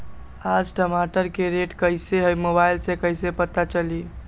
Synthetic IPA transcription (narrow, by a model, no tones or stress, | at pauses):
ad͡ʒɖəmaʈəɾkeɾeʈkəjseɦəjmobajlsẽkəjsepət̪at͡ʃəli